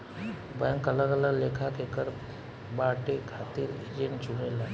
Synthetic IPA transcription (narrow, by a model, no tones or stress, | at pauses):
bɛ̃ŋkələɡələɡleːkʰakekəɾ | baːʈekʰaːt̪iɾḛd͡ʒeɳt͡ʃunela